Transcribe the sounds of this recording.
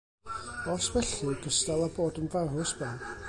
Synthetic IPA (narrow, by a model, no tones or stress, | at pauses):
ɔswɛɬiɡəstɛlˠaboːdənvarʊsbɛn